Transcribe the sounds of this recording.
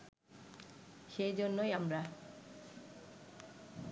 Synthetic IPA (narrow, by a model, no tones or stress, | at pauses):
xejzɔnːɔjamɹa